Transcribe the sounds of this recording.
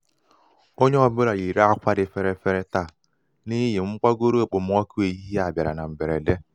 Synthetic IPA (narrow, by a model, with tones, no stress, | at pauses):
o˦ɲe˦ɔ˨bʊ˦ɾa˨ji˨ɾe˦a˦kʷa˦dɪ˨fe˦ɾe˦fe˦ɾe˦ta˦˨ | ni˦jɪ˨ŋ͡m̩˦k͡pa˦ɡo˦ɾo˦e˦˨k͡pʊ˨m˦ɔ˦ku˦e˨i˦ɦa˨bja˨ɾa̰˨na˨m̩˨be˨ɾe˨de˦